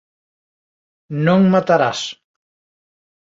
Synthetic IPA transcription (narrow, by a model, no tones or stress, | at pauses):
nõŋmat̪aɾas